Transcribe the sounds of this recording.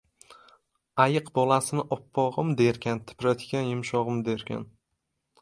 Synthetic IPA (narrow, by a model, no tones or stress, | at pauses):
ajɨqbɒlˠasɪnɪʔɒpʰːɒʁɨmd̪e̞ɾkʲant̪ʰɪ̥pɾat̪ʰkʲanjʊmʃɒʁɨmd̪e̞ɾkʲʰa̰n